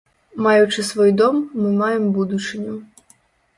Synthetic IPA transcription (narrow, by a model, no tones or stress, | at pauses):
mɑjʊt͡ʃɪsʋɔjd̪ɔmːɪmɑjembud̪ʊt͡ʃɪnʲʊ